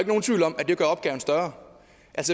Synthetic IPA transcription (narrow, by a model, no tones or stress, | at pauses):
eɡəno̝ːn̩t͡sʰʋḭʊlɒ̽mʔæd̥e̝ɡ̥ɶɐɒb̥ɡ̥ɛːʊn̩sd̥ɶɐɐ | ʔælsə